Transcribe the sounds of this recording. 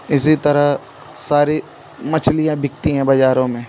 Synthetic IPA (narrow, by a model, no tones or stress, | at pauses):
ɪsit̪ɐɾə | saːɾi | mɐt͡ʃʰlijãbʱɪk̚t̪iɦɛ̃bɐd͡ʒaːɾõmẽː